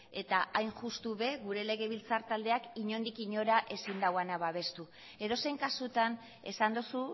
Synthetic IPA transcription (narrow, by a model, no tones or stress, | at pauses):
e̞t̪aʔajnʝust̪uβe̞ɣuɾe̞le̞ɣ̞e̞βilt͡saɾt̪ald̪e̞akiɲo̞nd̪ikiɲo̞ɾaʔe̞sind̪awanaβaβ̞e̞st̪u | e̞ðo̞se̞jŋkasut̪an | e̞sand̪usu